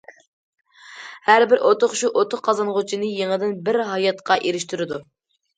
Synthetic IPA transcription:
hæɾbɪɾʔot̪ʰʊχʃuʔot̪ʰʊχqʰːɑzɑnʁʊt͡ʃʰinɨjeŋəd̪ɪnbɪɾɦɑjɑt̪qʰɑʔeɾɪʃt̪yɾɪd̪u

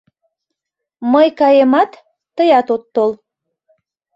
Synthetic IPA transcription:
məjkɑjemɑt̪ː | əjɑt̪ot̪ːol

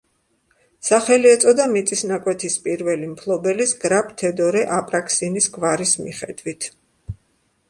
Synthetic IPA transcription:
saχɛliɛt̪sʼɔd̪amit̪sʼisnakʼwɛt̪ʰispʼiɾvɛlimpʰlˠɔbɛlisɡɾapʰt̪ʰɛd̪ɔɾɛʔapʼɾakʼʰsinisɡvaɾismḭχɛd̪wit̪ʰ

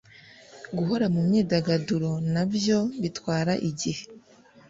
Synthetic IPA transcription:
ɡuɦo̞ɾamumɲiːdaɡaduɾo̞nabjo̞βitwaːɾaʔiɟihe

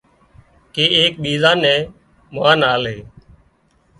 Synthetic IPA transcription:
keːʔeːk̚ɓiːzãːnɛ̃ː | mʊʋaːnaːleː

